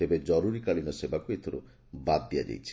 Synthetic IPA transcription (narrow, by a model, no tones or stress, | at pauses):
ebed͡ʒɔɾuɾikalinɔsebakuet̪ʰoɾṵ | bad̪ːijad͡ʒa̰jt͡ʃʰi̥